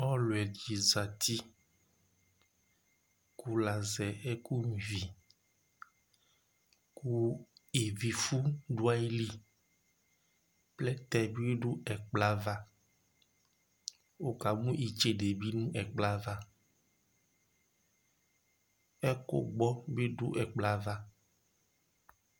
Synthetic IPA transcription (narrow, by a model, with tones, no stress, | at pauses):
ɔ˦lwɛ˨d͡ʒi˨za˨t̪ʰi˦ | ku˦la˨zɛ˨e˦ku˦˨vi˨ | ku˦e˨vi˨fu˦ɖu˦a˦i˦li˦ | plɛ˦t̪ɛ˨bi˦e˦ɖu˦ʔɛ˨k͡pla˦va˦ | o˨ka˨mũ˦i˨t͡ʃe˨ɖe˨bi˦nũ˦ʔɛ˨k͡pla˦va˦ | ɛ˦ko̰˦ɡ͡bɔ˦be˦ɖu˦ʔɛ˨k͡pla˦va˦